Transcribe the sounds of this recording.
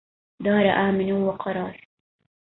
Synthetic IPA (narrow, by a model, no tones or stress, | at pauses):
d̪ɑːɾaʔaːmɪnuwaqɑɾɑːɾ